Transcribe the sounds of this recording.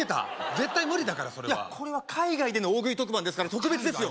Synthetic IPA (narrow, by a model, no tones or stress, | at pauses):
et̪a̰ze̞t̪ːaimɯ̟ɾʲid̪akaɾaso̞ɾeja̰kʰo̞ɾe̞βakʰaiɡaid̪e̞no̞oːɡɯ̟it̪o̞k̬ɯ̟bãnd̪e̞sɨ̥kaɾat̪o̞kɯbe̞t͡sɨd̪esɨjo̞